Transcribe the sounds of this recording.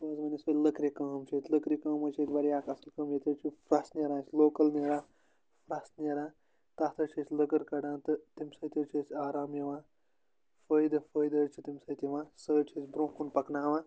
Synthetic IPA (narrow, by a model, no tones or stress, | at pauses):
ʋɐzmɐnisɐləkɾikɐːmt͡ʃʰit̪ʲləkɾikɐːmɐt͡ʃʰit̪ʲbɐɾijaːkɐsɐlkɐmjet̪ʲɐt͡ʃʰifɾasniɾãːt͡ʃʲloːkɐlniːɾaː | fɾasniɾãː | t̪at̪ʰɐt͡ʃʰit͡ʃlɐkɐɾkɐɽãːt̪ɨt̪imsɐːt̪ʲit͡ʃʰit͡saːɾaːmjɐʋãː | fəːjd̪ɨfəːjd̪əːt͡ʃʰit̪imsɐjt̪iʋãːsəːt͡ʃʰisʲbɾõːkunpɐknaːʋãː